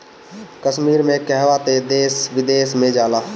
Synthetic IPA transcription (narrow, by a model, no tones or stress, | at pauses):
kəʃmiːɾmẽkɛɦʋat̪ed̪eːsʋɪd̪eːsmẽd͡ʒaːlaː